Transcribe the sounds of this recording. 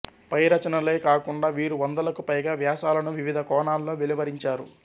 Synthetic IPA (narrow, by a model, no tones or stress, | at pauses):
pɐjɾɐt͡ʃɐnɐle̞ːkaːkuɳɖaːʋiːɾuʋɐnd̪ɐlɐkupɐjɡaːʋjaːsaːlɐnuʋiʋid̪ʱɐkɔːɳaːlːoːʋeliʋɐɾiɲt͡ʃaːɾu